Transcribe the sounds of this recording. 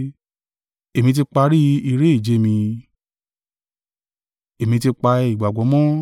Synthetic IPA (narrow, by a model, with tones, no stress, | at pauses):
e˨mĩ˧t̬i˧k͡pa˧ɾi˦i˧ɾe˦i˦˨d͡ʒe˨˧˦mĩ˧ | e˨mĩ˧t̬i˧k͡pa˧i˨ɡ͡ba˨ɡɔ˨˦mɔ̃˦